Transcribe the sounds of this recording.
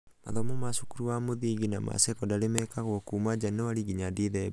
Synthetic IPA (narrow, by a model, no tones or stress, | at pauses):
maðɔmɔmasukuɾuamuðiɡina̰ma̰sɛkɔdalemɛkakɔkumad͡ʒanoaliɡiɲadiðɛ